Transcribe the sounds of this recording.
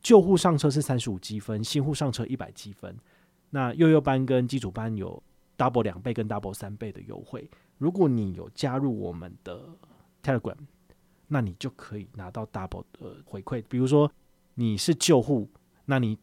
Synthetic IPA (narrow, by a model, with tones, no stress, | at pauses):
t͡ɕjo˥˧ʊxu˥˧ʂɑ˥˨ŋʈ͡ʂʰɤ˦ʂ̬ɻ̩˥˩sa˦nʂɻ̩˧˦u˨˩t͡ɕi˦˥fə˦nɕi˥nxu˥˧ʂɑ˥˨ŋʈ͡ʂʰɤ˦ʔi˥˩pa̰˨˩ɪt͡ɕi˦fə̰˦n | na˥˧jo˥˧ʊjo˥˩ʊpa˦nkə˦nt͡ɕi˥ʈ͡ʂʰu˨˩pa˦njo̰˨˩ʊ | t̪a˥˩p̬wɔ˧˥ljɑ˨˩ŋpe˥˩ɪkə˦nt̪a˥˩pwɔ˧˥sa˦npe˥˩ɪd̪ə̰˨jo̰˧˥ʊxwe˥˩ɪ | ɻu˧˥k̬wɔ˨˦ni˨˩jo̰˨˩ʊt͡ɕja˦ɻu˥˩wɔ̰˨˩mə̰˨˦nd̪̥ə˨˩ | t̪ʰɛ˦˥ɹɡwɛ̰˨˩˦n | na˥˨ni˨˩t͡ɕjo˥˩ʊkʰɤ˧˦i˨˩na˧˥t̪ɑ˥˧ʊt̪a˥˩pwɔ̰˧˥də̰˨xwe˧˥ɪkʰwe˥˩ɪpi˨˩ɻu˧˦ʂwɔ˦ | ni˨˩ʂɻ̩˥˧t͡ɕjo˥˧ʊxu˥˩ | na˥˩˨ni˨˩